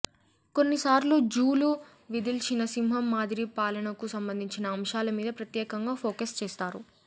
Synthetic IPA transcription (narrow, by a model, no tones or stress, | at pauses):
ko̞nːisaːɾluːd͡ʒuːlu | ʋid̪ilt͡ʃinɐsimɦɐmːaːd̪iɾipaːlɐnɐkusɐmbɐnd̪ʱiɲt͡ʃinɐːmʃaːlɐmiːd̪ɐpɾɐt̪jɛːkɐŋɡaːpʰoːkɐst͡ʃeːst̪aːɾu